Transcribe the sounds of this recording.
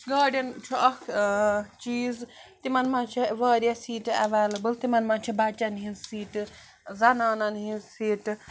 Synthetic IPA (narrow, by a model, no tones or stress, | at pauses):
ɡaːɖjɐnt͡ʃʰuʔɐk | t͡ʃiːzt̪imɐnmãnt͡ʃʰiʋaːɾjɐsiːʈɐ̰ʋeːlɐbɨlt̪imɐnmãːt͡ʃʰibɐt͡ʃʲɐnɦĩnsiːʈ | zɐnaːnɐnɦinsiːʈ